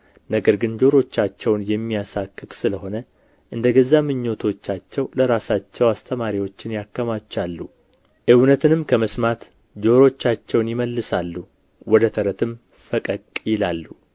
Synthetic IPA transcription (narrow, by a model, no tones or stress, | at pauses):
nəɡəɾɡɨnd͡ʒo̞ɾo̞t͡ʃːat͡ʃːɛwnjɛmːijasakːɨksɨləho̞nə | ʔɨnd̪əɡəzːamɨɲːo̞t̪ʰo̞t͡ʃːat͡ʃːɛwləɾasat͡ʃːɛwast̪ʰəmaɾiwo̞t͡ʃːɪnjakːəmat͡ʃːalːu | ʔɨwnət̪ʰɨnɨmkʰəməsmat̪ | d͡ʒo̞ɾo̞t͡ʃːat͡ʃːɛwnjɪməlːɨsalːu | wɔd̪ət̪ʰəɾət̪ʰɨm | fəkʼəkʼjɪlalːu